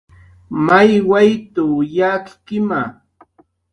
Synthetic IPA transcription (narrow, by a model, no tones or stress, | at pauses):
majwajt̪ʊjakkɪma